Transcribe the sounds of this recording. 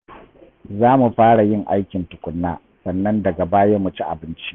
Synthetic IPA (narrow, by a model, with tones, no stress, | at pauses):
zaː˦mu˨ɸaː˦ɽa˨jɪ˦˨ŋʔa˦jkʲɪ˨ntʊ˨kʷʊ˨nːa̰ː˦ | sɐ˨nːɐ˦ndɐ˨ɡɐ˨baː˦jɐ˦mʊ˨t͡ʃi˦ʔa̰˨bɪ˦nt͡ʃi̥˦ʔ